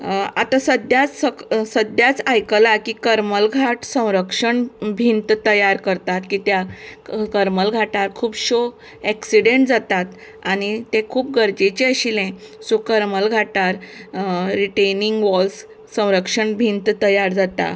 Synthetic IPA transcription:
at̪asəd̪jat͡ssəsəd̪jat͡sajkəlakiːkəɾməlɡʱaʈsə̃w̃ɾəkʂəɳbʱint̪t̪əjaɾkəɾt̪at̪kiːt̪jakəɾməlɡʱaʈaɾkʰuːbɕo | ɛksiɽeɳʈd͡zat̪at̪ | añit̪ẽkʰuːp̚ɡəɾd͡ʑet͡ɕeəɕilɛ̃ | sukəɾməlɡʱaʈaɾ | ɾiʈejniŋɡʋɔlsː | ə̃w̃ɾəkʂəɳbʱint̪t̪əjaɾd͡zat̪a̰

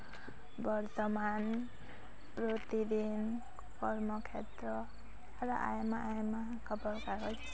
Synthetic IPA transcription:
bʌɾt̪ʌman | prot̪id̪in | kʌɾmʌkʰet̪ɾʌ | ɾʌʔa̰jmaʔajma | kʰʌbʌɾkaɡʌt͡sʰ

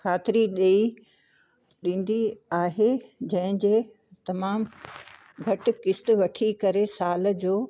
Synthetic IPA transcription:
xʰaːt̪ɪɾiɗeːi | ɗĩːn̆d̪iaːɦed͡ʑɐ̃ɦɪ̃d͡ʑeː | t̪ɐmaːm | ɡʱɐʈ̆kɪst̪̆ʋɐʈʰikɐɾesaːl̆d͡ʑoː

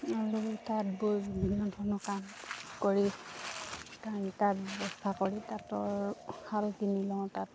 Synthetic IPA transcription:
alutatboɹinantʰɔnɔkamkoɹi | tantatbɛbɔstʰakoɹitatɔɹhalkinilɔ̃ʊ̃tat

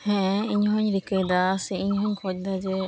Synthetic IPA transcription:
hɛ̃iɲɦɔɲɾikejd̪aseiɲɦɔɲkʰɔc̚d̪ad͡ʒe

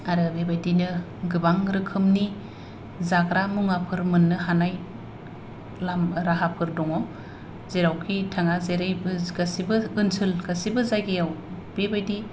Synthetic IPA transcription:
aɾɯbebajdinɯ | ɡɯbaŋɾɯkʰɯmni | zaɡɾamuŋapʰɯɾmɯnːɯɦanaj | lamɾaɦapʰɯɾdɔŋɔ | zeɾawkʰitʰaŋazeɾajbɡasibɯɯnsʰɯlɡasibɯzaɡeaw | b̥ebajdi

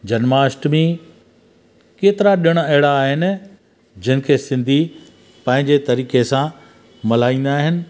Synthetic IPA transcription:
d͡ʑɐnmaːsʈmẽ | keːt̪ɪɾaɗijəɽ̃ɐɦɪɽaːɦɪnɪ̆ | d͡ʑɪnɪ̆kʰeːsɪ̃nd̪ʱi | pɐ̃ɦɪ̃ɲd͡ʑet̪ɐɾiːkesã | mɐlaːĩːn̆d̪aːɦɪnɪ̆

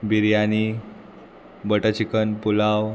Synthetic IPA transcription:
biɾjani | bəʈət͡ɕikənpulaw

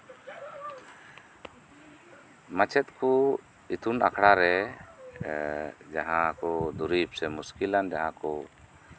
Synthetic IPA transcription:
mat͡ʃʰɛt̪̚kʰu | it̪ʰuna̰kʰɽaɾɛ | d͡ʒaɦãkɔd̪uɾip̚sɛmuskiland͡ʒaɦãkɔ

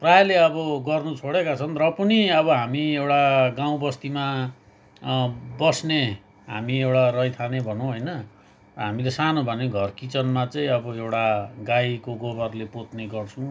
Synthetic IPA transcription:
praeleʌbʌɡʌrnut͡sʰoɽekat͡sʰʌnrʌpʌniʌβʌɦamiewʈaɡaw̃bʌst̪ima | bʌsne | ɦamiewɽarʌjt̪ʰanebʱʌnow̃ɦʌjnʌ | ɦamilesanobʱʌneɡʱʌrkit͡sʌnmat͡saĩʌbʌewɽaɡajkoɡobʌrlepot̪neɡʌrt͡sʰũ

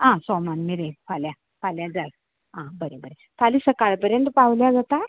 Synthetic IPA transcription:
ɦãsɔmnanmiɾefʰaljã | faljãd͡zaj | ɦãbəɾebəɾe | fʰalisəkaɭpəɾjənt̪əpawljad͡zat̪a

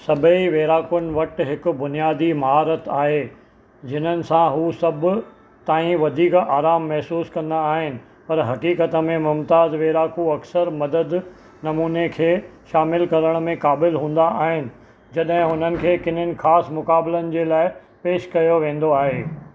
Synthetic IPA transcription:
sɐbʱəiʋeːɾaːkənɪ̆ʋɐʈɦɪkʊ̆bʊnijaːd̪imɐɦaːɾət̪aːɦe | d͡ʑɪn̤ənɪ̆sãɦuːsɐbʊ̆ | t̪aːĩʋɐd̪ʱiːkaːɾaːmːɛɦsuːskɐ̃nd̪aːɦɪnɪ̆ | pɐɾɦɐkiːkət̪ə̆mẽmʊmt̪aːzʋeːɾaːkuɐksəɾmɐd̪əd̪ | nɐmuːnekʰeːʃaːmɪlkɐɾəɽ̃mẽkaːbɪlɦũːn̆d̪aʔaːɦɪnɪ̆ | d͡ʑɐɗɦɪ̃ʊn̤ənɪ̆kʰeːkɪn̤ənɪ̆xaːsmʊkaːblənɪ̆d͡ʑeːlaːɪ | peːʃkɐjoʋẽːn̆d̪oaːɦeː

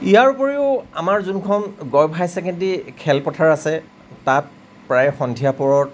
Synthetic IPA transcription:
ijaɹupɔɹiʊamaɹzunkʰɔnɡɔjbʱajsɛkɛntikʰɛlpɔtʰaɹasɛ | tat̚ | pɹajxɔndʱijapɔɹɔt

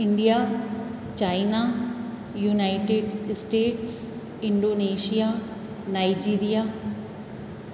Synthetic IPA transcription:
ɪ̃ɳɖija | t͡ɕaːɪna | junaɪʈeɖsʈeːʈs | ɪ̃ɳɖoːneːʃija | naːɪd͡ʑiːɾija

